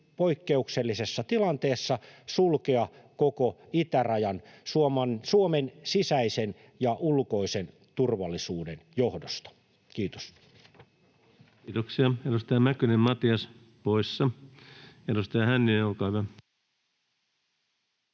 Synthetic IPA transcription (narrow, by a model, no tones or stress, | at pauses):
poikːeukselːisesːɑt̪ilɑnt̪eːsːɑsulkeɑkokoit̪ærɑjɑnsuomɑnsuomensisæisen | jɑʔulkoisen | t̪urʋɑlːisuːdenjohdost̪ɑ̥ | kiːt̪o̥s | t̪oksiɑedust̪ɑjɑmækynemmɑt̪iɑs | poisːɑ | edust̪ɑɑhænːiekɑiʋæ